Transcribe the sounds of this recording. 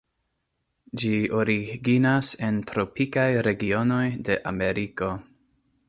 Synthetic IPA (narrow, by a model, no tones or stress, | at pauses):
d͡ʒio̞ɾiɡinase̞ntɾo̞pikajɾe̞ɡio̞no̞jde̞ʔa̰me̞ɾiko̞